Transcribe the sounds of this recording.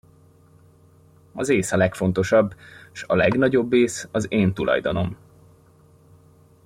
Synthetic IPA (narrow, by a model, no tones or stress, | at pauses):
ɒzeːsɒlɛkfo̞nt̪o̞ʃɒbːʃɒlɛɡnɒɟo̞bːeːsɒzeːnt̪ulʔɒ̰jd̪ono̞m